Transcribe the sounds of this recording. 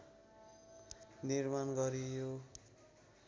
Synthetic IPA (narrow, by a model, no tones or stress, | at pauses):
nirmanɡʌɾijo